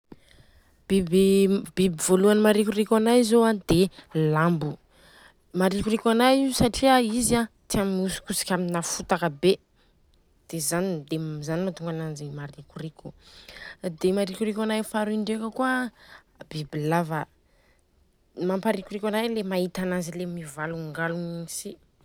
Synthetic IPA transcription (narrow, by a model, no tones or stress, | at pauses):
b̥ibibibivoluanmaɾikurikanajzoad̪̥elambu | maɾikuɾikʲanajiusaʈ͡ʂiaiza | t̪iamiusu̥kusi̥kʲaminafut̪akəbe | d̪̥ezanid̪ezanimat̪uŋɡanand͡ʒimaɾikʲurikʲu̥ | d̪emaɾikuɾikʲanajfaɾuiɳɖ͡ʐekəkuə | bibilava | mampaɾikuɾikʲanajlemait̪anazilemivaluŋɡalunnisi